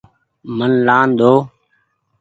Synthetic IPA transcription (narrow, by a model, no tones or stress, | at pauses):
mənlaːnd̪oː